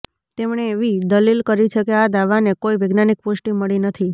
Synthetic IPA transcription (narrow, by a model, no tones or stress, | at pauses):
t̪emɳ̃eːʋid̪əlilkəɾit͡ʃʰekead̪aʋanekoiʋeɡnanik̚posʈiməɭinət̪ʰi